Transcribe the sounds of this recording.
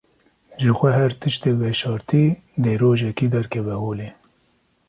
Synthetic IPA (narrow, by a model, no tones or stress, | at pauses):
ʒɨxʷɛɦɛɾt̪ʰɨʃt̪eːvɛʃɑːɾt̪ʰiː | d̪eːɾoːʒɛkiːd̪ɛɾkʰɛvɛhoːleː